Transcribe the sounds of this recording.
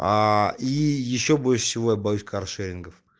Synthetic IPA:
aijɪɕːobo̞lʲʂə̥sʲɪvo̞jabɐjusʲkarʂeɾʲɪnɡəf

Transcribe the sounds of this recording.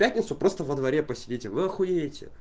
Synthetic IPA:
pʲætʲnʲɪt̪sʊpɾo̞st̪əvəd̪vɐɾʲepəsʲɪdʲitʲɪvɨɐxʊjeɪtʲɪ̰

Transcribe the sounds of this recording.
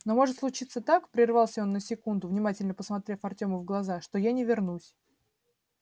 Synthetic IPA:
no̞mo̞ʐɨt̪slˠʊt͡ɕit̪sət̪akpɾʲɪrvɑlˠsʲəo̞nːəsʲɪkund̪ʊvnʲɪmatʲɪlʲnəpəsmɐt̪ɾʲe̞fɐrtʲo̞məvɡlˠɐzaʂt̪o̞janʲɪvʲɪrnusʲ

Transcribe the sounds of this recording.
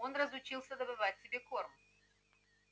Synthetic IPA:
o̞nrəzʊt͡ɕilˠsʲəd̪əbɨvatʲsʲɪbʲekorm

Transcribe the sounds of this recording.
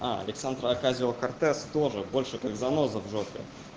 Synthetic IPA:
aɐ̰lʲɪksand̪ɾəɐkazʲvəkɐrt̪ɛst̪o̞ʐɨbo̞lʲʂɨkakzɐnozəvʐot̪kʲə̰

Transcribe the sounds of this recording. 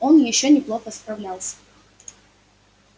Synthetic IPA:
onjɪɕːonʲɪplˠo̞xəspɾɐvlʲalˠsʲə̥

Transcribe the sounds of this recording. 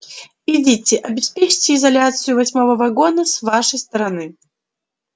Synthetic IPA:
idʲitʲɪʔɐbʲɪspʲet͡ʃtʲɪɪzɐlʲat̪sɨjʊvɐsʲmovəvɐɡod̪əsvaʂəjst̪ɐɾɐnɨ

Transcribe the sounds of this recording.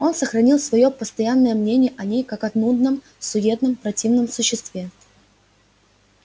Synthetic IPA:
o̞nsəxɾɐnʲilˠsvɐjo̞pəst̪ɐjanːəjəmnʲenʲɪjəʔɐnʲejkakɐt̪nud̪nəm | sʊdʲe̞t̪̚nəmpɾɐtʲivnəmsʊɕːɪst̪vʲe

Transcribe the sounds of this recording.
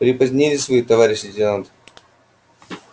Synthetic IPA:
pɾʲɪpɐzʲnʲilʲɪsvɐit̪ɐvaɾʲɪɕːɪtʲɪnant̪ɨ̥

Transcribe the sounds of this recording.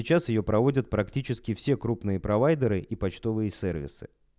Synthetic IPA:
ɪt͡ɕasjɪjo̞pɾɐvo̞dʲət̪̚pɾɐktʲit͡ɕɪskʲɪfsʲe̞kɾupnɨjəpɾɐvajd̪ʲəɾɨʔipɐt͡ɕt̪o̞vɨjəsʲervʲɪ̰sɨ̥̰

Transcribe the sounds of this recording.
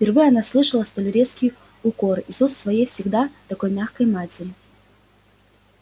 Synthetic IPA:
fʲpʲɪrvɨjɐnaslˠɨʂəlˠəst̪olʲɪɾʲet̪skʲɪj | ʊko̞rɪsusːvɐjejfsʲɪɡd̪at̪ɐko̞jmʲaxkəjmatʲɪɾʲɪ

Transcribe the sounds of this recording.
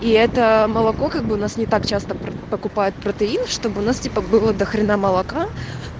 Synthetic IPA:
iɛt̪əməlˠɐko̞kaɡ̚bɨʊnasnʲɪt̪ak̚t͡ɕast̪əpɾəpəkʊpajɪt̪̚pɾət̪ɨinʂt̪o̞bɨʊnastʲipəbɨlˠəd̪əxɾʲɪnaməlˠɐka

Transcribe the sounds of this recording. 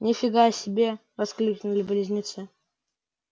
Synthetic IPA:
nʲɪfʲɪɡasʲɪbʲevɐsklʲukʲnʊlʲɪbʲlʲɪzʲnʲɪt̪sɨ

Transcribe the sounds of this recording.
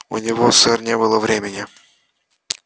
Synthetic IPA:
ʊ̰nʲɪvosɛrnʲebɨlˠəvɾʲemʲɪnʲɪ

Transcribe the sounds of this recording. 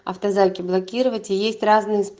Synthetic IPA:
ɐ̰ft̪ɐzɑlʲkʲiblˠɐkʲiɾʊvɐtʲijesʲtʲrɑznɨjɪsp

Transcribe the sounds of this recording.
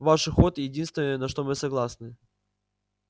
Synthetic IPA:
vaʂɨxot̪jɪdʲinst̪vʲɪnəjənɐʂt̪o̞mɨsɐɡlˠasnɨ

